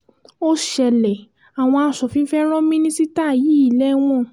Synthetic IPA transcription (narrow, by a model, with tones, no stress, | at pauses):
o˦ʃɛ˧lɛ˨ | a˨w̃ɔ̃˧a˧sɔ˨fĩ˨˦fɛ˦ɾ̃ɔ̃˦mĩ˦nĩ˦si˦ta˦˨ji˨˦i˦˨lɛ˦w̃ɔ̃˦˨